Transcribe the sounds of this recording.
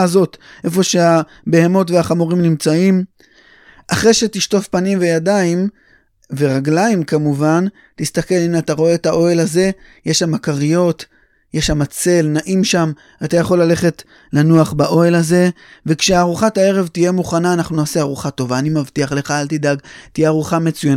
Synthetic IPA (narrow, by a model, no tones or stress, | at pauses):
zo̞tʔe̞fo̞ʃea | be̞ɦe̞mo̞tveaχamuʁimnimt͡saim | ʔaχʁe̞jʃe̞tiʃto̞fpanimve̞jadaim | ve̞ʁaɡlaimkamuvan | tist̪ake̞limataʁo̞e̞ːtaʔo̞e̞laze̞jeʃamakaʁijo̞t | jeʃhamat͡se̞lnaʔimʃam | atajaχo̞lːale̞χe̞t | lanuaχbaʔo̞e̞laze̞ | vekʃeaːʁuχatae̞ʁevtije̞muχanaːnaχnunaːseaʁuχato̞vaːnimavtiaχle̞χaaltidaɡt̪ijeaʁuχame̞t͡sujan